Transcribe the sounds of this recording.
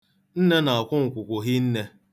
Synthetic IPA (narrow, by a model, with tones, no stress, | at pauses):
n̩˦ne˦na˨a˨kʷʊ˦ŋ̩˨kʷʊ˨kʷʊ˨ɦi˦n̩˦ne˦